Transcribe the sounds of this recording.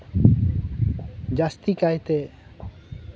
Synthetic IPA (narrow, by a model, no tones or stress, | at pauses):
d͡ʒast̪ikajt̪e